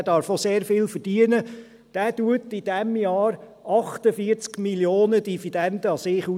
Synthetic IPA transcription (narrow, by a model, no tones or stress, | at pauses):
d̥ɑːɾfoseːɾfɪlfərd̥iənə | d̥æːtuətid̥ɛmjɑːɾ | ɑχt̪əfiəɾt͡skmiljoːnəd̪ifid̥̪ɛnd̪əɑsɪːχu